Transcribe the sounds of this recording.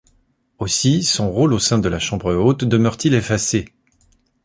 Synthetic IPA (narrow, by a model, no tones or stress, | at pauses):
osisɔ̃ʁolosɛ̃d̪əlaʃɑ̃bʁəot̪d̪əmœʁt̪ilefase